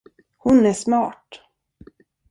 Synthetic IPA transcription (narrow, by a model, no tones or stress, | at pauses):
hʊnæʂmɑːʈ